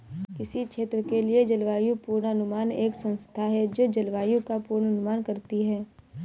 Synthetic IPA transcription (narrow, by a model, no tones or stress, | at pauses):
kɪsikʃʰeːt̪ɾəkelied͡ʒɐlʋaːjupuːɾnɐnʊmaːneːksɐ̃nst̪ʰaɦɛd͡ʒoːd͡ʒɐlʋaːjũkapuːɾnɐnʊmaːnkɐɾt̪iɦɛː